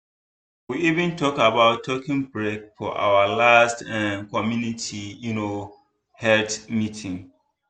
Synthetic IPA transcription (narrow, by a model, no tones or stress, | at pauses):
wiivĩntʰɔkabaʊtʰːɔkĩŋbɹek̚fɔ̰ʔa̰wəlastɛ̃nkʰɔmjunitʰijuno | hɛltmitʰĩŋ